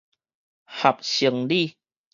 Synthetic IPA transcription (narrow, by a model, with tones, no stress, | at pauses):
ha˨˩p̚ɕi˨˧˩əŋli˥˧˨